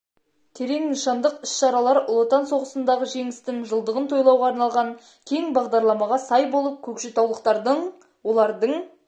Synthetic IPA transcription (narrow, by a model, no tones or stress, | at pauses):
t̪ʰe̞ɾe̞ŋnəʃɑnd̪əqɪsʃɑɾɑlˠɑɾʊlˠot̪ɑnso̞ʁəsənd̪ɑʁəʒe̞ŋɪst̪ɪŋʒəlˠd̪əʁənt̪ʰo̞jlˠɑwʁɑːɾnɑlˠʁɑŋ | kʲʰe̞ŋbɑʁd̪ɑɾlˠɑmɑʁɑsɑjbo̞lˠəp̚kʲʰɵkʃɪt̪ʰɑwlˠəqt̪ɑɾd̪əɴ | wo̞lˠɑɾd̪əɴ